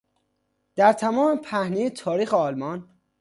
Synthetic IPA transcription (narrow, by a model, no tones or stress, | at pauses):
d̪̥æɾt̪ʰæmɒːmepʰæhnejet̪ʰɒːɾiːxeɒːlmɒn